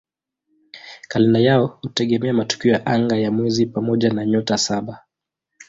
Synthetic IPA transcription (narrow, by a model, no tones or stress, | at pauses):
kalɛnajaɔhutɛɠɛmɛamatu̥kiɔjaʔaŋɡajamwɛzipamɔʄanaɲɔtasaɓa